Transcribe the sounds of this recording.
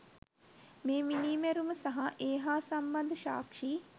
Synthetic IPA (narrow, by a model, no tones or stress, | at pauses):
meːminiːmæɾuməsaɦaʔeːɦaːsamband̪əʃa̰ːkʂiː